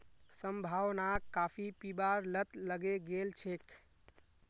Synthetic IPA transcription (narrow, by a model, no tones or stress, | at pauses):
səmbʱaʋnakapʰipibaɾlət̪ləɡeɡelt͡ʃʰek